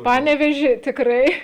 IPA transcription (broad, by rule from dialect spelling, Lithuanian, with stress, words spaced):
ˈpɑːnʲɛʋʲeːʒʲɪ tʲɪkˈrɐɪ